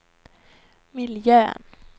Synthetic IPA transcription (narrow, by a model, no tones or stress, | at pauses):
mɪljøːn